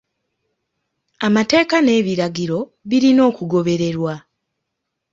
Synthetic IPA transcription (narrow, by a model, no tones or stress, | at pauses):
amate̞ːkane̞ːβiɾaɡiɾo̞βiɾino̞ːkuɡo̞βe̞ɾe̞ɾwa